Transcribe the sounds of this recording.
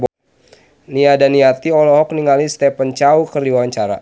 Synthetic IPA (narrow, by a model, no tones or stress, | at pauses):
niadaniat̪iɔlɔɦɔk̚niŋalist̪ɛpənt͡ʃaukərdiwwaɲt͡ʃaɾa̰